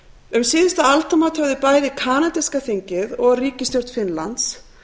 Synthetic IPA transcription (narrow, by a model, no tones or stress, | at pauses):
ʏmsɪːðɪst̪aalt̪ʰamat̪hœvðɪpaːjðɪkʰaːnat̪ɛskaθiɲcɪðɔɣriːcɪst̪jœr̥t̪fɪnla̰nt̪s